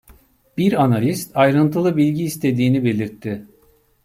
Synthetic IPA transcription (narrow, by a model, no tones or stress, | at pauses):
b̥iɾanalʲist̪ʰajɾɯnt̪ʰɯlˠɯbilʲɟiːst̪ʰe̞d̪iːnibe̞lʲiɾt̪ʰːɪ